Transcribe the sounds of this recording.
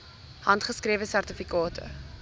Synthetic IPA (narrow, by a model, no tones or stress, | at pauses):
hɐntχəskrɾiəvəsærtəfikɑːtʰə̰